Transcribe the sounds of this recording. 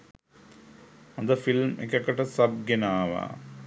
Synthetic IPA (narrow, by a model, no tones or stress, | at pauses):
ɐnd̪ɐfilmḛkːɐkːɐʈɐsɐb̚ɡenaːʋa̰